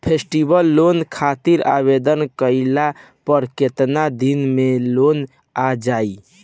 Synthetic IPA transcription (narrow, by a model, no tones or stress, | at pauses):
pʰesʈibəlːonkʰat̪iɾa̰bed̪ənkəɪla | pəɾket̪nad̪inmelon | ad͡ʒai